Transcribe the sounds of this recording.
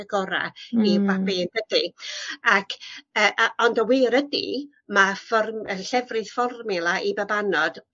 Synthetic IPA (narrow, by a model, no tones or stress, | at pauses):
əɡɔɾa̰ivabeːnb̥ədiakʰəːʔɔndəwɪɾədḭ | mafɔrəɬɛvrɨð̥fɔrmɪlˠaʔibabanɔd̥